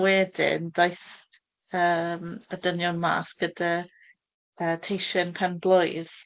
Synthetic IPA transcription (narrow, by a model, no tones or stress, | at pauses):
wɛːdɪ̰ndajθ | əːmədənjɔnma̰ːsɡ̥əda | əːtʰejʃənpʰɛnblˠʊjð̥